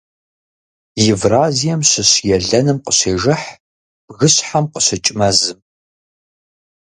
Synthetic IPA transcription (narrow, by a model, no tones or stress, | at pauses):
jɪvraːzijɛmɕɪɕjɛɮɐnɨmqəɕeːʒɐħ | b̥ɣɨɕħamqəɕɐt͡ʃʼɪmɐzɨm